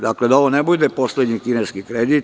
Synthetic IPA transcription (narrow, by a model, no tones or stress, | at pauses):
d̪akled̪aoʋonebud̪epo̞slʲed̪ɲikineskikɾed̪it̪